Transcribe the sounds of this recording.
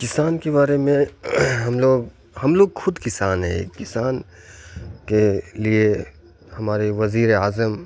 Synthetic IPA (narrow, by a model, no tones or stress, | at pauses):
kɪsaːnkebaːɾemẽɦɐmloːɡ | hɐmloːɡxʊd̪kɪsaːnɦɛ̰̃kɪsaːn | kelie | hɐmaːɾeʋɐziːɾeaːzəm